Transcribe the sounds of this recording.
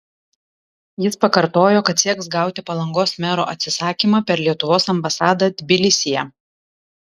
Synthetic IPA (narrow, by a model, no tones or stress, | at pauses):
jɪspɐkɐɾt̪oːjoːkɐt̪sʲiɛksɡɑˑʊt̪ʲɪpɐlˠɐŋɡoːsmʲæɾo̰ːʔɐt̪ʲsʲɪsɑːkʲimɑpʲɛɾlʲiɛt̪ʊʋoːsɐmbɐsɑːd̪ɐd̪ʲbʲɪlʲɪsʲɪjɛ